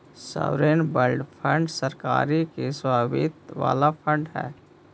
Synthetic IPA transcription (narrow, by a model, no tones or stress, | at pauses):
sa̰ɾeːnbəlɖpʰə̃ɳɖsəɾkaːɾikeswaːbɪt̪ʋa̰ːlapʰə̃ɳɖɦɛ̰ː